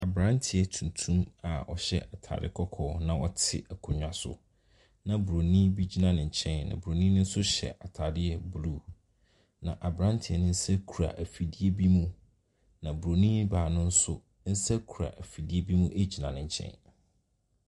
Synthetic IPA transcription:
a˨bɾã˦ntʰɪ˨ɛ˨tʰũ˨n˨tʰũ˦ma˨ɔ̰˨ɕɛ̰˦ʔa˨tʰa̰ː˨dɪ̰˦kʰɔ˦kʰɔː˦˨˦nã˨wɔ˦tʰɪ̰˦æ˨kʰɔ˨ɲᶣ˨ã˨sʊ̰˨ | nã˨bu˨ɾo˨nĩ˦bi˦d͡ʑi˦nã˨nɪ̃˨ɲ˨t͡ɕʰɛ̃˦nnã̰˨bu˨ɾo˨nĩ˦nʊ̃˦n̩˦sʊ˦ɕɛ̰˨ʔa˨tʰaː˨dɪ˦ɛ˦bu˨lu˦˨ | nã˨ʔa˨bɾã˦ntʰɪ˨ɛ˨nʊ̃˦n̩˦sɛ˦kʰu˨ɾa̰˨ʔæ˨fi˨di˦e˦bi˦mũ˦ | nã˨bu˨ɾo˨nĩ˦baː˨nʊ̃˦n̩˦sʊ˦ | n̩˦sɛ˦kʰu˨ɾa̰˨ʔæ˨fi˨di˦e˦bi˦mũ˦ʔe˦d͡ʑi˨nã˨nɪ̃˨ɲ˨t͡ɕʰɛ̰̃˦n

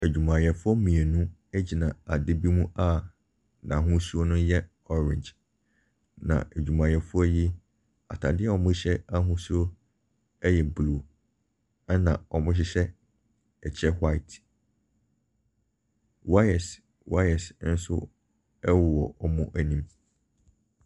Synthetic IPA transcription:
æ˨d͡ʑᶣu˨mã˨jɛ˨fʊ˦ɔ˦mĩ˨e˨nũ˦ɛ˦d͡ʑi˨nã˨a˨dɪ˦bi˦mũ˦a˦ | nã˨ɦʊ̃˦su˦o˦nʊ̃˦jɛ˦ | ɔ˦ɾɪ̰̃˨d͡ʑ | nã̰˨æ˨d͡ʑᶣu˨mã˨jɛ˨fʊ˦ɔ˦ji˦ | a̰˨tʰa˨dɪ˦ɛ˦ɔ˨mʊ̃˦ɕɛ˦a˦ɦũ˦su˦o˦ | ɛ˦jɛ˨bluː˦˨ | ɛ˦nã˨ɔ˨mʊ̃˦ɕ̬ɪ˦ɕɛ˦ | ɛ˨t͡ɕʰɛ˦hwa˦ɪ˨t | wa˦ɛ˨s | wa˦ɛ˨sn̩˦sʊ̰˦ | ɛ˦wʊ˨wɔ˨ɔ˦mʊ̃˦ʔæ˨nĩ˦m

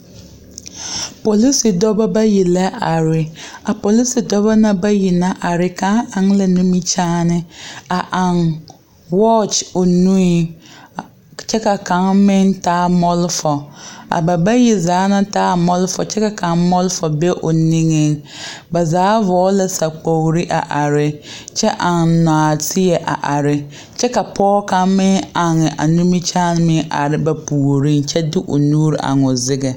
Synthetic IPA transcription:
po˨li˦sɪ˨dɔ˦ba˦ba˦ji˨la˦ʔa˨ɾɪ˨a˨po˨li˦si˨dɔ˦ba˦na˦ba˦ji˨na˦ʔa˨ɾɪ˨ka˨˦a˨ŋla˨ni˦mi˦t͡ʃaː˦nɪ˦a˨ʔa˨ŋ | wɔ˦t͡ʃo˨nu˦i˨ | t͡ʃɛ˦ka˨ka˨˦ŋmɪ˦ntaː˦mɔ˦lfɔ˨a̰˨ba˨ba˦ji˦zaː˨˦na˦taː˦mɔ˦lfɔ̰˨t͡ʃɛ˦ka˨ka˨ŋmɔ˦lfɔ˨be˦ʔo˨ni˦ŋɪ˦ŋ | ba˨zaː˨˦vɔː˨˦la˦sa˨k͡po˨ɣɾi˦ʔa̰˨ʔa˨ɾɪ˦t͡ʃɛ˦ʔa˨ŋnaː˨tʰɪ˦ɛ˨ʔa̰˨ʔa˨ɾɪ˦ | t͡ʃɛ˦ka˨pʰɔː˦ka˦ŋmɪ˦ŋa˨ŋɛ˨ʔa̰˨nu˦mi˦t͡ʃaː˦n˦mɪ˦ŋʔa̰˨ɾɪ˨ba˨pu˨ɾɪ˦ŋt͡ʃɛ˦dɪ˦ʔo̰˨nuː˦ɾɪ˨ʔa̰˨ŋɔ˨zɪ˦ɡɛ˨

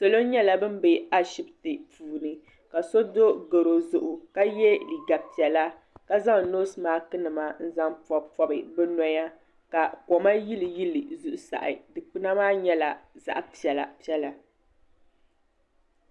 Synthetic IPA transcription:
so˨lo˦ɲɛ˦la˨bɨ˦mbe˨a˦ʃi˦btɨ˨puː˨nɨ˨ | ka˨so˦do˦ɡɨ˨ɾo˨zʊ˨ʔʊ˨ka˦jɛ˦li˨ɡa˨pi˨ɛ˨la˦ | ka˦za˦ŋ˨noː˦sɨ˨maː˦kɨ˦nɨ˨ma˦n̩˦za˦ŋpɔ˦bpɔ˦bɨ˨bɛ˦nɔ˦ja˦ | ka˨kɔ˨ma˦ji˦lɨ˨ji˦lɨ˨zu˦ʔʊ˨sa̰˨ʔɪ̰˨dɨ˨k͡pɨ˦na˦maː˦ɲɛ˦la˨za̰˨ʔpi˨ɛ˨la˨pi˦ɛ˦la˨

